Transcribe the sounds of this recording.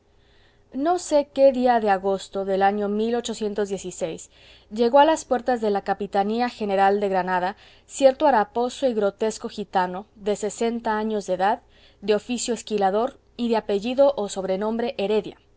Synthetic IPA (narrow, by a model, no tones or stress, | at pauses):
no̞se̞ke̞ðiaðeaɣo̞st̪o̞ðe̞laɲo̞milo̞t͡ʃo̞sje̞nt̪o̞zðje̞sisejs | ʝe̞ɣo̞alaspwe̞ɾt̪azðe̞lakapit̪aniaxe̞ne̞ɾald̪e̞ɣɾanaða | sje̞ɾt̪oaɾapo̞soiɣɾo̞t̪e̞sko̞xit̪ano̞ðe̞se̞se̞nt̪aaɲo̞zðeðað | d̪eo̞fisjoeskilaðo̞ɾ | iðe̞ape̞ʝiðo̞ʔoso̞βɾe̞nõ̞mbɾe̞ʔeɾe̞ðja̰